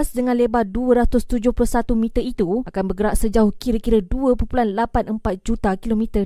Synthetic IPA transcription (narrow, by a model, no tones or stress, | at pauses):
sdəŋãnlebaduəɾat̪ʊst̪ud͡ʒʊhplʊsat̪umĩt̪əit̪uʔakanbərɡəɾaʔsəd͡ʒaʊhkiɾəkiɾəduəpupulanlapanʔəmpat̪̚d͡ʒut̪akilomĩt̪ə